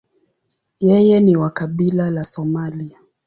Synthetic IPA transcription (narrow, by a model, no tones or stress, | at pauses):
jɛjɛniwakaɓilalasɔmalia